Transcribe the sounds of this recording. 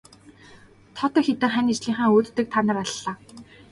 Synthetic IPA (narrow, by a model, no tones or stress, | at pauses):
t̪ʰɔt̪ɞ̆xet̪ɘ̆ŋχænit͡ɕɮiːŋχaːŋoːt̪ːɘ̆k̚t̪ʰanə̆raɮːaː